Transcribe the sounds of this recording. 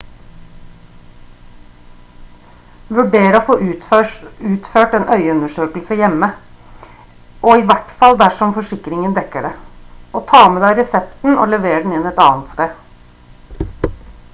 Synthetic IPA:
ʋʉɖeːɾəoːfoːʔ | ʉːt̪føːʈeːnʔœʏəʉnəʂøːkl̩səjɛmːə | ʔoːiːʋæʈfɑld̪æʂɔmfɔʂɪkɾɪŋənd̪ɛkəɖeʔoːt̪ʰɑːmɛd̪æɪɾɛsɛpt̪n̩ʔo̰ːlɛʋeːɾəɖn̩ɪnɛt̪ɑ̰ːnt̪st̪eː

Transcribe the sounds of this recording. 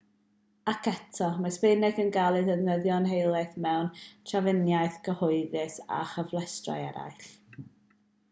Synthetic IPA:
akʰɛtʰɔmaspenɪɡənɡalˠɨðəðnəðjɔnɦejlˠaθmɛwntʰravɪnjajθɡ̥əhʊɨðɪsa̰χəvlˠɛstra̰jɛ̰ɾa̰jɬ

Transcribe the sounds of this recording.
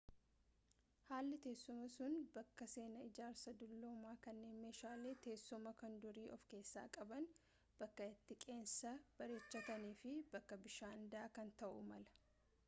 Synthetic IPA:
haːlːɪt̪e̞ːsːʊmɐsʊnbɐkːɐse̞ːnɐɪd͡ʒaːɾsɐd̪ʊlːo̞ːmaːkɐnːe̞ːnme̞ːʃaːle̞ːt̪e̞ːsːʊmɐkɐnd̪ʊɾiːʔɔfke̞ːsːa̰ːkʼɐbɐn | b̥ɐkːɐɪt̪ːɪkʼe̞ːnsɐb̥ɐɾeːt͡ʃːɐt̪ɐniːfɪbɐkːɐbɪʃaːnd̪aːkɐnt̪ɐʔʊ̰mɐlɐ̥

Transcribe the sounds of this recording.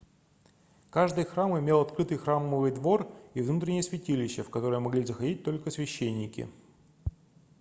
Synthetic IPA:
kaʐd̪ɨjxɾamɪmʲe̞lˠɐt̪kɾɨt̪ɨjxɾamːɨvɨjd̪vo̞rivnut̪ɾʲɪnʲɪjəsvʲɪtʲilʲɪɕːəfkɐt̪o̞ɾəjəmɐɡlʲizəxɐdʲit̚ʲt̪o̞lʲkəsvʲɪɕːenʲːɪkʲɪ̰

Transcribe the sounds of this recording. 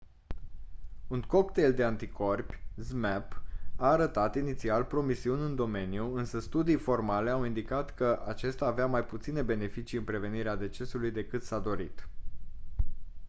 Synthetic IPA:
unko̞kt̪e̞ld̪e̞ant̪ikʰo̞rpʲzmɛpaːɾət̪at̪init̪sialpɾo̞misiunʲɨnd̪o̞me̞nijuɨnsəst̪ud̪ijfo̞rmale̞awind̪ikat̪kəʔat͡ʃe̞st̪aːveamajput̪sine̞be̞ne̞fit͡ʃijɨnpɾe̞ve̞niɾead̪e̞t͡ʃe̞sulujd̪e̞kɨt̪sad̪o̞ɾit̪

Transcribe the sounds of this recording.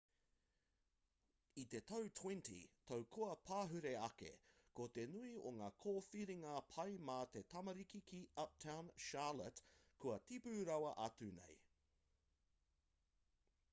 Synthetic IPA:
it̪e̞t̪ʰɐwtʰwɛ̃ntḭt̪ʰɐwkʰoɐpʰaːɦʉɾe̞ɐkḛkot̪e̞nuioŋaːkʰoːfiɾiŋɐpʰɐjmaːt̪e̞t̪ʰɐmɐɾikikʰiɐp̚tʰawnʃaːlətkʰuɐtipʉːɾɐwɐʔɐt͡sʉnḛj

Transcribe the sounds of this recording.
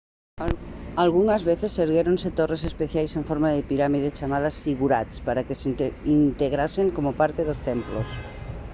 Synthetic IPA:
alɣuŋɐzβeθesːeɾɣeɾoŋset̪oresespeθjajsẽɱfoɾmaðepiɾamiðet͡ʃamaðɐsiɣuɾat̪spaɾakeseint̪eɣɾaseŋkomopaɾt̪eðost̪emplo̰s

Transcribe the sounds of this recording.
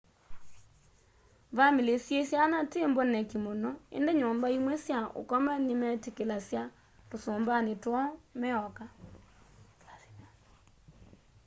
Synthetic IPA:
vamelesjesjanatembɔnɛkimonɔḛndeɲɔːmbaimwɛsjao̰kɔmanemɛtekelasja | tosoːmbanetwɔmɛɔka

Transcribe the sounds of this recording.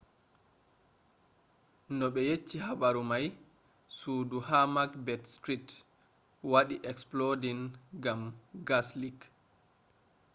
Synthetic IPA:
nɔɓɛjet͡ʃːihaɓaɾumaj | suːduhamakbɛtstɾit | waɗiʔɛksplodinɡamɡaslik

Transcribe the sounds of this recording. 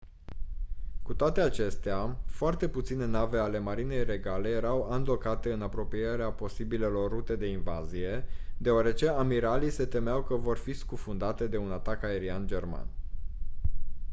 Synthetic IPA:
kut̪oat̪e̞at͡ʃe̞st̪eafoart̪e̞put̪sine̞nave̞ale̞maɾine̞jre̞ɡale̞je̞ɾawand̪lo̞kat̪e̞ɨnapɾo̞pije̞ɾeapo̞sibile̞lo̞rːut̪e̞d̪e̞inva̰zije̞d̪e̞oaɾe̞t͡ʃe̞amiɾalise̞t̪e̞meawkəvo̞rfiskufund̪at̪e̞d̪e̞unat̪akae̞ɾiand͡ʒe̞rma̰n

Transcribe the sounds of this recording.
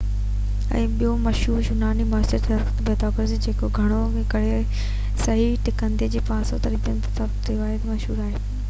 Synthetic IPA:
ɛ̰̃ːɓijomɐʃɦuːɾʃʊnaːnimaːsəɾt̪ʰɐɾkt̪beːt̪ɔːkɾsid͡ʑeːkoɡʱɐɽ̃o | ẽkɐɽ̤e | sɐɦiʈɪkə̃nd̪ed͡ʑeːpãːsot̪ɐɾit̪ənɪt̪ɐ̥sɐbt̪iʋaːɦet̪mɐʃɦuːɾaːɦeː

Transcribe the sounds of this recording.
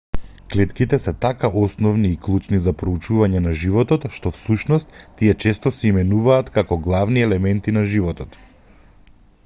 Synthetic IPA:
klɛt̪kit̪ɛsɛt̪akaʔɔsnɔvniːklˠut͡ʃnizapɾɔut͡ʃuvaɲɛnaʒivɔt̪ɔt̪ʃt̪ɔfsuʃnɔst̪ːiɛt͡ʃɛst̪ɔsɛimɛnuvaːt̪kakɔɡlˠavniɛlɛmɛnt̪inaʒivɔt̪ɔt̪

